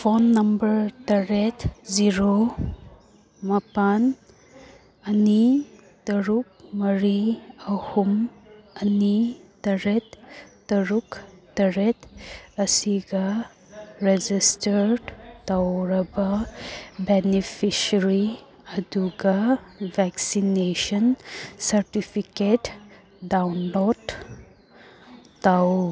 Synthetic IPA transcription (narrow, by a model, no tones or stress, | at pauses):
pʰonːɐmbɐɾtɐɾetziɾo | mɐpan | ɐni | tɐɾuk̚mɐɾiɐhum | ɐnitɐɾetː | ɐɾuktɐɾetɐsiɡɐ | ɾed͡ʒistɐɾɖtawɾɐbɐ | benipʰisɐɾi | ɐduɡɐbʱɛksinesɔnsɐɾtipʰiket | dawnlod | aw